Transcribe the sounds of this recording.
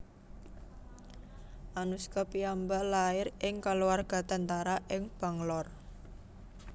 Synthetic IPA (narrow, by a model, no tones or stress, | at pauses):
ʔanuskɔpiambaʔlaɪrɪŋkaluwarɡ̥a̤t̪ant̪aɾaʔɪŋb̥a̤ŋlɔr